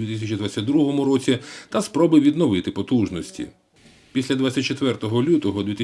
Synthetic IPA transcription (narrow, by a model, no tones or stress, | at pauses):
ʋʲit̪ɪsʲɐt͡ʃid̪ʋat͡sʲːɐd̪ɾuɦɔmʊɾɔt͡sʲit̪ɐspɾɔbɪʋʲid̪nɔʋɪt̪ɪpɔt̪uʒnɔsʲtʲḭ | pʲisʲlʲɐd̪ʋat͡sʲːɐt̚ʲt͡ʃet̪ʋɛrt̪ɔɦɔlʲut̪ɔɦɔd̪ʲʋʲit̪